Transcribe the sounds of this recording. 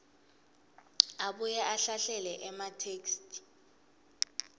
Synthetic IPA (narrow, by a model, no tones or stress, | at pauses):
aɓujɛʔaɬaɬɛlɛʔɛmatʰeːkst